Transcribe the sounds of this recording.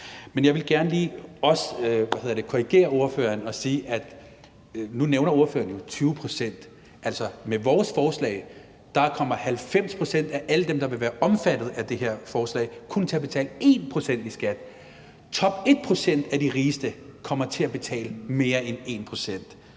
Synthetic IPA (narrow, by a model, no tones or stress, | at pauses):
menjɑ̈ɪʋe̝lɡ̥æɐnəliːɒ̽søʋæhe̝ð̰ˠɐd̥e̝kʰo̝ʁiɡ̥e̝̰ːɐo̝ɐfø̰ːɐnɒ̽siːʔæd̥ | nuneʊnɐo̝ɐfø̰ːɐn̩jo̝t͡sʰyːʊpʰʁosen̰d̥ | ʔælsɒ̽meʋɒːsfɒːslɛ̰ɪ | d̥ɑ̈kʰɒ̽m̰ɐhælfem̰spʰʁo̝sen̰d̥æʔæləd̥emd̥ɑ̈ʋe̝ʋæːɐʔɒ̽mfæd̥ð̞̩ˠæd̥e̝heɐ̰fɒːslɛ̰ɪkʰunt͡sʰe̝æb̥e̝t͡sʰɛ̰ːləe̝ːnpʰʁo̝sen̰d̥isɡ̥æd̥ | t͡sʰɒ̽b̥e̝d̥̚pʰʁo̝sen̰d̥æd̥iʁiːsd̥əkʰɒ̽m̰ɐt͡sʰe̝æb̥e̝t͡sʰɛ̰ːləme̝ːɐene̝ːnpʰʁo̝sen̰d̥